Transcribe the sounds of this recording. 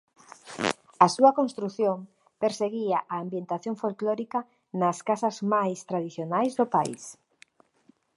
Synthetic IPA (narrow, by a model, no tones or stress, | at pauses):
ɐsuɐkonst̪ɾuθjoŋ | peɾseɣiaʔaːmbjent̪aθjoɱfolkloɾikɐ | nɐskasɐzmajst̪ɾaðiθjonajzðopaḭs